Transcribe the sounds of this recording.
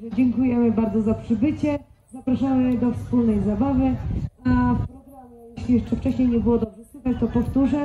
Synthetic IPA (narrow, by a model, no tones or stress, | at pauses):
ɛd͡ʑɛŋkujɛmɘbaɾd̪zɔzapʂɘbɘt͡ɕɛ | zapɾaʂamɘd̪ɔfspulnɛjzabavɘafɾɔɡajɛɕlʲijɛʂt͡ʂɛft͡ʂɛɕɲejɲɛbɘwɔd̪ɔbʐɛswukat͡ɕt̪ɔpɔft̪uʐɛ